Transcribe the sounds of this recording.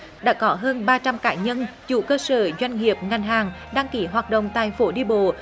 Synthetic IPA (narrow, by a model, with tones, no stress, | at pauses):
ɗa̰ː˧˥kɔ˨˦ɦəː˧nɓaː˧t͡ɕa˧mkaː˧˩ɲə˧nt͡ɕṵ˧˩kəː˧səː˧˩zwa˧jŋ̟ŋi˨˩əp̚ŋa˨˩jŋ̟ɦaː˨˩ŋɗaː˧ŋki˨˦ɦwaː˨˩t̚ɗə̰˧˨wŋ͡mt̪aː˧˨jfo˨˦ɗi˧əɓo̰˧˨